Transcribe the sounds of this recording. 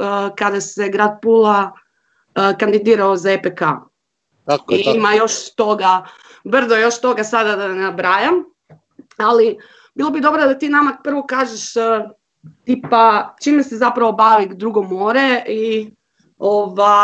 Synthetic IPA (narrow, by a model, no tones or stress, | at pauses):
kad̪ase̞ɡɾaːd̪̚pulˠa | kand̪id̪iːɾaozaepeka̰ | iimajo̞ʃt̪o̞ɡa | br̩d̪ojo̞ʃt̪o̞ɡasad̪ad̪anabɾajam | ali | biːlˠo̞bid̪o̞bɾad̪at̪iːnamapr̩ʋokaːʒeʃ | t̪ipat͡ʃiːmesezapɾaʋo̞baʋid̪ɾuɡomoːɾei | oʋa